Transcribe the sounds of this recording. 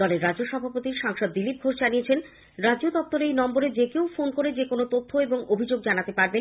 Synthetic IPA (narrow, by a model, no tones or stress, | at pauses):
ɔleɾːad͡ʑoʃɔbʱapot̪iɾʃaŋʃɔd̪ːilip̚ɡʱoɾʃd͡ʑaniet͡ɕʰen | ɾad͡ʑod̪ɔp̚t̪oɾejnɔmboɾed͡ʑekeofonkoɾed͡ʑekonot̪ot̪ʰːoeboŋobʱid͡ʑoɡ̚d͡ʑanat̪epaɾbe